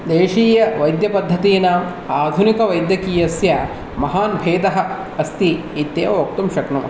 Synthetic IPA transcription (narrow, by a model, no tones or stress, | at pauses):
d̪eːʃiːjɐʋɐjd̪jɐpɐd̪ʱːɐt̪iːnaːm | aːd̪ʱunikɐʋɐjd̪jɐkiːjɐsjɐ | mɐɦaːnbʱeːd̪ɐɦɐ̆ | ɐst̪iː | t̪jeːʋɐʋɐk̚t̪umʃɐkɳṵm